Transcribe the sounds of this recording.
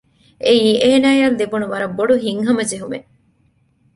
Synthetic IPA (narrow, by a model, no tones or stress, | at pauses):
ʔeiːeːnaːjɐnd̪ebunuʋɐɾɐbːoɖuɦiŋɦɐmɐd͡ʒeɦumḛ